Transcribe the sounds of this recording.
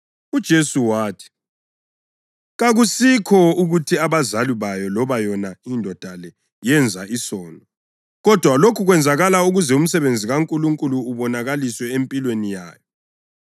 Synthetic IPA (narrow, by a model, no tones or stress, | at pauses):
ud̥ʒ̥ʱesuwaːtʰi̥ | ɣaɣusikʰɔuɣutʰiaβazaliβajɔlɔβajɔnaindʱɔd̥ʱalɛ | jɛnd͡zʱaisɔːnʱɔ | ɣɔd̥ʱwalokʰuɣwɛnd͡zʱaɣalauɣuzɛum̩sɛβend͡zʱiɣaŋkʼuluŋkʼuluːβɔnaɣaliswɛempʼilwenija̰ːjɔ